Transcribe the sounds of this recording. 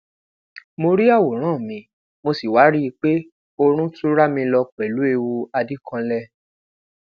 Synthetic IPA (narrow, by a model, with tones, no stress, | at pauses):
mo˧ɾi˦a˦˨wo˨ɾ̃ãː˦˨mĩ˨˦ | mo˧si˨wa˨˦ɾi˦i˧k͡pe˦ | o˧ɾ̃ũ˦tu˦ɾa˦mĩ˧lɔ˧k͡pɛ˨lu˨˦e˧wu˧a˧di˦kʰã˧lɛ˦